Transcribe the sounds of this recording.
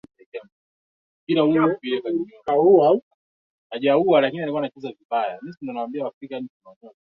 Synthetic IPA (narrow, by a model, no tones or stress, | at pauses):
ɛkam | piɾaukiɛkaikauwau | aʄauwalakinialikuanat͡ʃuzaviɓaja̰misindɔnawambiawafɾikaɲit͡ʃnaɔɲɔa